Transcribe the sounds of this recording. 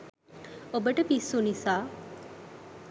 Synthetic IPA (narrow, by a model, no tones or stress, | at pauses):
obəʈəpisːunisaː